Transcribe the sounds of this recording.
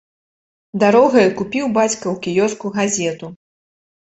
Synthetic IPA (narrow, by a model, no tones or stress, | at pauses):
d̪aɾɔɣɐjɐkupʲiwbat͡sʲkɐwkʲijɔskuɣazʲɛt̪u